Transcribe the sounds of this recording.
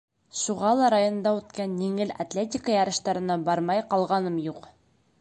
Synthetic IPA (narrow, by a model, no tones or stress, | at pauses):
ʃuʁɑlˠɑɾajon̆nd̪ɑʉt̪kænjiŋɘla̰t̪lʲetʲɪkəjɑɾɤ̆ʃt̪ɑɾɤ̆nɑbɑɾmɑjqɑlˠʁɑnɤmjuq